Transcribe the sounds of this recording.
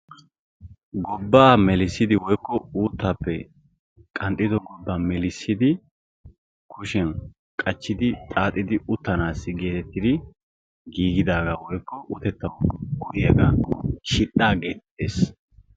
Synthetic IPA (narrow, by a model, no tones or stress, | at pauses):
ɡɔbːaːmɛlɪsːɪd̪ɪwɔjkːɔuːt̪ːapːɛ | kʼɐnt̪ʼːɪd̪ɔɡɔbːamɛlɪsːɪd̪ɪ | kʰʊʃɛn | kʼɐt͡ʃːɪd̪ɪt̪ʼaːt̪ʼːɪd̪ɪʊt̪ːɐnaːsːɪɡe̞ːt̪ɛt̪ːɪd̪ɪ | ɡiːɡɪd̪aːɡawɔjkːɔʔʊt̪ɛt̪ːɐwɡʊʔjɐɡɐʃɪᶑaːɡeːt̪t̪ːḛːs